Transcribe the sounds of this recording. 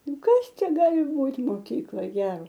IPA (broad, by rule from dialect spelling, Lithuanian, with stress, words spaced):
ˈnʊ ˈkɐs ˈt͡ʃʲɛ ˈɡɑːlʲɪ ˈbuːtʲ moːˈkʲiːklˠoːj ˈɡʲæːroː